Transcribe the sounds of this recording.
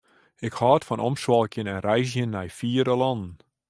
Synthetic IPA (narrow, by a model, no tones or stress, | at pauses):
ɪkhɑːtfɔnɔmʃwɑlˠkjənɛnrɛjzjənːɛjfiːɾəlɑnn